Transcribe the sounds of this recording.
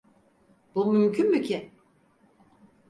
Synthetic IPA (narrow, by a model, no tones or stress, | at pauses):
b̥umymcʰynbycʰɪ